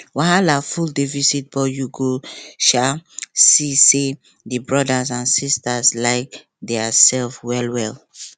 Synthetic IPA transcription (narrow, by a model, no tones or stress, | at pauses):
waɦalafuldifisit̚bɔjuɡoʃasise | dəbɹɔdazãnsistaslaɪk | dɛasɛlfwɛlwɛl